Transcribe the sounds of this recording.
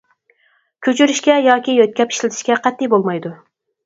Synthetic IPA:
kʲʰøt͡ʃʰyɾɪʃkʲɛjɑkʲijøt̪̚kʲɛpi̥ʃlɪt̪ʰɪʃkʲɛqʰɛt̪ːijbolˠmɑjd̪u

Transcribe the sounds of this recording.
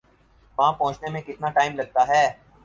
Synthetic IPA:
ʋãːpɔ̃ːt͡ʃnemẽkɪt̪naʈaːɪmlɐɡ̚t̪aɦɛː

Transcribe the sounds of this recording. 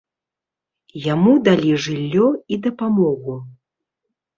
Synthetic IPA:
jamud̪alʲiʐɨlʲːɔid̪ɐpamɔɣu

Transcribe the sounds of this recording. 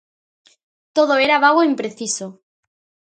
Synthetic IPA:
t̪oð̞oeɾaβaɣ̞oimpɾeθiso

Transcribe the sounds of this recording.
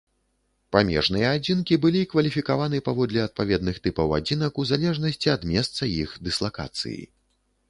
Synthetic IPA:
pamʲɛ̰ʐnɨjɐad͡zʲinkʲibɨlʲikvɐlʲifʲikavanɨpavɔd̪lʲɛɐt̪̚pavʲɛd̪nɨxt̪ɨpɐwa̰d͡zʲinɐkuzalʲɛʐnɐsʲt͡sʲiɐd̪mʲɛst̪sɐjixd̪ɨslˠaka̰t̪sɨ̰jḭ

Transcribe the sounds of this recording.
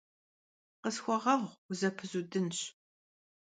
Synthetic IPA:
qəsxʷɔʁɐʁʷzɐpʰɨzudɨnɕ

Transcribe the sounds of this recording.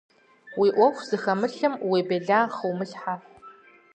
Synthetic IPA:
wiʔʷɔxʷz̥ɨxɐmɨɬɨmwiːbɐɮaːχɨwmɨɬħa

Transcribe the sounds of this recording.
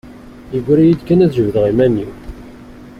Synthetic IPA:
jəɡʷɾæjid̪kænæðʒəvðəʁimænːiw

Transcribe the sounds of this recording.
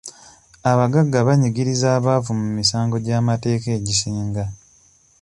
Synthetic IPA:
aβaɡaɡːaβaɲiɡiɾizaːβavumumisaːŋɡo̞ɟaːmate̞ːke̞ːɟisiːŋɡa

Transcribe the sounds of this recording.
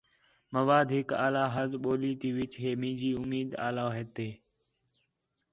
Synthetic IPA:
məʋaːd̪ʱɦɪka̰ːlaːɦəzɓoːliːt̪iːʋɪt͡ʃɦeːmĩːd͡ʒiːʊmiːd̪a̰ːlaːɦeːt̪eː

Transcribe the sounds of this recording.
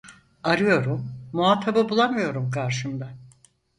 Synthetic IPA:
aɾɯjo̞ɾumːuaːt̪ʰababulˠamɯjo̞ɾumkʰaɾʃɯmd̪a

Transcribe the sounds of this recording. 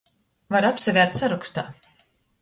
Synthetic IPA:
vaɾapsʲavʲæːɾt̪saɾukst̪aː

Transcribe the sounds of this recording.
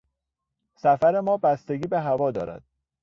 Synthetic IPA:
sæfæɾe̞mɒːbæst̪e̞ɟiːbe̞ɦævɒːd̪ɒ̰ːɾæ̰d̪̥̚

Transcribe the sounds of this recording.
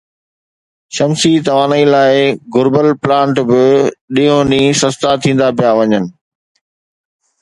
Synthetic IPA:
ʃɐmsit̪ɐʋaːnəilaːɪɡʊɾbəlplãːɳʈbɪɗĩːõnĩːsɐst̪at̪ʰĩːn̆d̪ap̬ijaʋɐɲənɪ̆

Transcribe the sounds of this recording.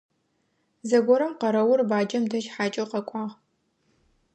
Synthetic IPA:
zɐɡʷɔɾɐmqɐɾɐwʊrbaːd͡ʒɐmdɐʃħaːt͡ʃʼɐwqɐkʷʼɑːʁ

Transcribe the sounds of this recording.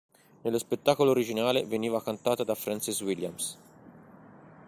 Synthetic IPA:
nelːospet̪ːaːkoloːɾid͡ʒinaːleveniːvakant̪aːt̪ad̪afɾɛnsiswilja̰ms

